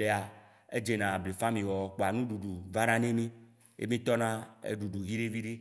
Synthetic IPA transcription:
e˨a˨ | e˦d͡ʒe˨nã˨ble˨fã˦mĩ˨wɔ˨k͡po˨a˨nũ˦ɖu˨ɖu˨va˦nã˦nẽ˦mĩ˦ | jḛ˦mĩ˦t̪ɔ˦nã˦ḛ˦ɖu˨ɖu˨ɦi˦ɖe˦vi˦ɖe˦

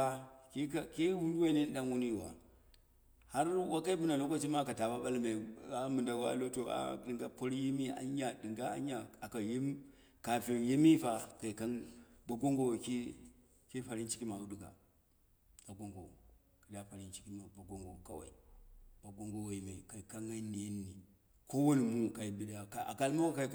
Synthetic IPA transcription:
a˦ki˦ka˨ke˦wu˦ndu˦wa˦i˦ne˦n˦ɗa˦ŋwu˦ni˦˨wa̰˨ | ha˦ɾwa˦ka˦i˦pu˦na˨lo˦ko˦t͡ʃi˦ma˦ka˨ta˨ba˦ɓa˦lme˨a˦mɨ˨nda˨ɡo˨˦a̰˨lo˦to˨a̰˦dɨ˨ŋɡa˨po˦ɾji˦mi˦a̰˦ɲa˨dɨ˨ŋɡa˦a̰˦ɲa˨a˨ka˨je˦m | ka˨fe˨je˦mi˦fa˨ka˨i˨ka˦nba˨ɡo˦ŋɡo˨ki˦ | ki˦pa˨ɾi˦nt͡ʃi˦ki˦ma˨u˦ɗu˨ɡa̰˨ | ka˨ɡo˦ŋɡo̰˨ | ka˨la˦fa˨ɾi˦nt͡ʃi̥˦ki˦ma˨ba˨ɡo˦ŋɡo˨ka̰˨wa̰˨i˨b̥a˨ɡo˦ŋɡo˨wa˨ji˨ma˨ka˨i˨ka˦ŋa˦ni˨˦nːi˨ | ko˦wo˦ni˨mu˦ka˨i˨bi˦la˨ka˨a̰˨ka˦lma˦wa˦ka˦

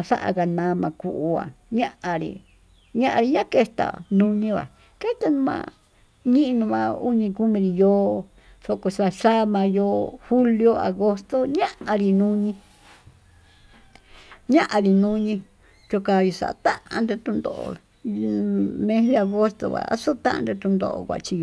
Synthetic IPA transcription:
a˧ʂa̰˦ʔa̰˧ɣa˧nã˨˧mã˧ku˧˨ʔu˧a̰˨ɲã˦ʔã˧ɾḭ˧ | ɲã˦ʔã˧ɾi˧ɲã˦ke˦˧˦t̪a̰˨nũ˧ɲĩ˧βa̰˨ | ke˦t̪a˧nũ˧mã̰˧ | ɲĩ˦ʔnũ˧mã˧u˦ɲĩ˧ku˦mĩ˧ɾi˧joː˦ | ʂo˧ko˧ʂa˧ʃa˦mã˧joː˦hu˦ljo˧a̰˨ɣo˧st̪o˦ɲã˦ʔa˧ɾi˧nũ˦ɲĩ˧ | ɲã˦ʔã˧ɾi˧nũ˦˧ɲĩ˧ | t͡ʃo˧ka˧jo˧sa̰˨ʔt̪ã˦ʔã˧nd̪e˧t̪ũ˧nd̪o̰˧ʔo̰˧ | mẽ˧ðe˧a˧ɣo˦st̪o̰˧βa̰˨a̰˦so˦t̪ã˦ʔã̰˧nd̪e˧t̪u˧nd̪o̰˧ʔo̰˧kʷa̰˨˧t͡ʃi˧j

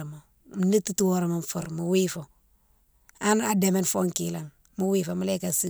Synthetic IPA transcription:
mo˨ | mni˦ti˦twoɾma˨mfṵ˨ɾmu˨wifo˨ | a˦na˨deme˦nfo˦ŋkila˨ŋ | mu˦wiːfoma˦la˦kasi˦

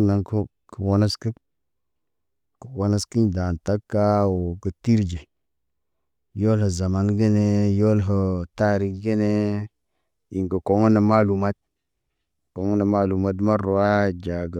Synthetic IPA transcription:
na˨ŋko˦ | kə˨wo˦na˦skə˦ | kə˨wo˦na˦ski˦nda˨nta˦kːa˦wo˨kə˨ti˦ɾd͡ʒe˨ | jo˦lhə˨za˨ma˦nɡe˦ne˦jo˦lɦə˨ta˦ɾi˦kɡe˦ne˦ | i˨ŋɡə˨ko˨ŋə˦na˨ma˦lu˨ma˦t̚ | ko˨ŋə˦na˨ma˦lu˨ma˨˦d̬ma˦ɾo˨a˦d͡ʒa˨ɡə˨

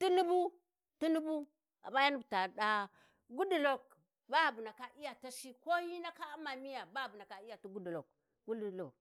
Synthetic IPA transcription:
ti˦nu˦bu˦ | tu˦nu˦bu˦ | a̰˨ba˦ja˦nu˦bta˨ɗa˦ | ɡu˦du˨lo˨k | ba˦˨bu˨na˨ka˨ʔi˦ja˨ta˦ʃi˦ko˦hi˦na˦ka˦ma˨mi˦ja˨ba˦˨bu˨na˨ka˦i˦ja˨tu˦ɡu˦du˨lo˨k | ɡu˦du˨lo˨k

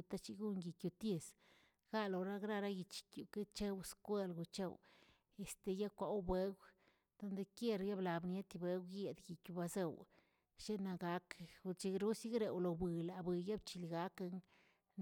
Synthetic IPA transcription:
u˧t̪a˦t͡ʃi˧˦ɡu˦ŋɡi˨kju˨t̪je˧s | ɡ̥a˦lo˨ɾa˦ɡɾa˦˧ɾa˦ji˨t͡ʃi̥˨kʲju˨ke˦t͡ʃe˦wskʷe˦lɡu˧˨t͡ʃḛ˦˧w | e˨st̪e˨ja˦kʷa˨˦wbʷe˦ɡʷ | d̪̥o˧nd̪e˧kje˦ɾja˦bla˨bnje˦t̪i˧bʷe˦ɡʷje˨d̪ɡi˨kʲju˧˨ba˧ze˧˨w | ʃe˦na˧ɡa˦ku˧t͡ʃi˧ɾu˦si˦ɡɾe˨wlo˨bi˨la˨bʷɨ˨ja˦bt͡ʃi˧˨lɡa˦ka˧ŋ

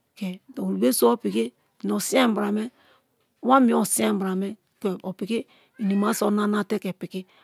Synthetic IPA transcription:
ke˨o˨ɾu˨be˦so˦o˦pi˨ke˦˨ | n˨o˨si˦a˦m˦bɾa˨me˦ | wa˦mi˨˦o˨si˦ã˦˨bɾa˨me˦ | ke˨o˨pi˨ke˦ | i˨ni˨ma˨˦so˦na˦na˦˨te˦ke˨pi˨ki˦

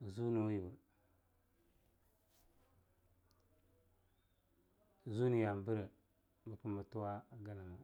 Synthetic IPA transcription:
zu˦nu˨˦ji˨bu˨ | zu˦ni˨ja˨m˨bə˦ɾə˨ | bə˦ku˦mə˨tu˦wa˦ɡa˦na˨ŋa˨

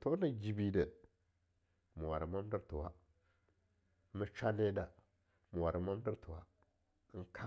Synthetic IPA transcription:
to˦na˨d͡ʒi˨bi˨də˨ | mu˨wa˨ɾə˨ma˦m˦də˦tu˨wa˦ | mə˦t͡ʃa˦ne˦da˨ | mu˨wa˨ɾə˨ma˦m˦də˦ɾtu˨wa˦ | ŋ˦kʰa˦

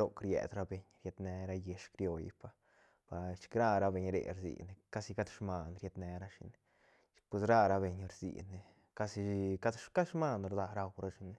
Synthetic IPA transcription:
o˦˧kɾjḛ˨d̪ɾa˦be˨ɲɾje˧d̪ne˧ɾa˧je˧ʂkɾjo˧j̰pa˧ | b̥a˧t͡ʃi̥˧kɾa˦˧ɾa˧be˧ɲɾḛ˨ɾzḭ˨ne˧ka˦si˧ka˦t̪ʃma˧nɾje˧d̪ne˧ɾa˦ʃḭ˧n˨ | t͡ʃpwe˧sɾa˦ɾa˧be˨ɲɾzḭ˨ne˨ | ka˦si˧ka˦d̪ʃka˦ʃma˦˧nɾd̪a˧ɾa˧wɾa˦ʃi˧ne˧

